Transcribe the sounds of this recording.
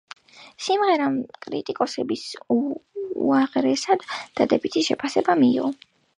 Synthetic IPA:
simʁɛɾamkʼɾḭt̪ʼikʼɔsɛbis | ṵaʁɾɛsad̪̥ːad̪ɛbit̪ʰiʃɛpʰasɛbamiːʁɔ

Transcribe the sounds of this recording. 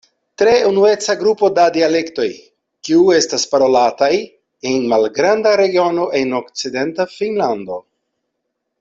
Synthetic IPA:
tɾe̞unue̞t͡saɡɾupo̞dadiale̞kto̞j | kiue̞staspaɾo̞lataj | enmalɡɾandaɾe̞ɡio̞no̞ʔe̞no̞kt͡side̞ntafinland̪o̞

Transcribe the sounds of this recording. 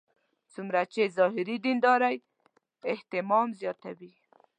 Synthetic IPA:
t͡sumɾat͡ʃezɑɦɪɾid̪ind̪ɑɾaj | ɪht̪ɪmɑmzjɑt̪awi

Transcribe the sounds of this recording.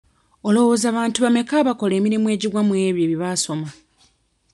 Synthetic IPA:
o̞lo̞wo̞ːzaːβaːntuβame̞kaːβako̞le̞ːmiɾimwe̞ːɟiwamweːβjeːβiβaso̞ma

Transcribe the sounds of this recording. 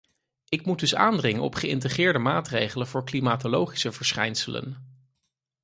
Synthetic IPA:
ɪkmud̚dɵsa̰ːndrɪŋənɔ̰pχəɪ̰ntəχɪːɹdəmaːtrejχələnv̥ʊːɹklimaːtolowχi̥səvəɹsχɛjnsələ̰n

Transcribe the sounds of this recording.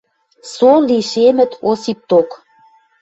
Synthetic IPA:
soliʃemɘ̆t̪ʰosip̚t̪ok

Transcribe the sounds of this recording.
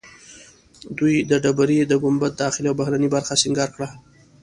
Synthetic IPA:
d̪ujd̪əɖabaɾid̪əɡʊmbat̪̚d̪ɑxɪliawbahɾanibaɾxasɪŋɡɑɾkɽa

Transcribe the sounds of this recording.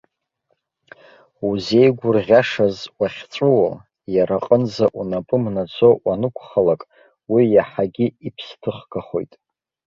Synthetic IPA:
uze̞jɡʷʊrʁʲaʂazwaχʲt͡sʷʼuwa | jaɾaqʼənzaʔunapʼɨmnad͡zʷʰʼo̞ʔanɨkʷʰχalakʼ | wijaħaɡʲiipʰstʰɨχɡaχo̞̰jtʼ

